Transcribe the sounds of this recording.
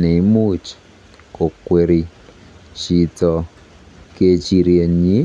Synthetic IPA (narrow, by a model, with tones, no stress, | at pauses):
ne˨i˦mu˦t͡ʃi̥˨ | ko˨kwe˨ɾi˨ | t͡ʃi˨tɔ˨ | ke˦t͡ʃi˨ɾje˨ɲi˦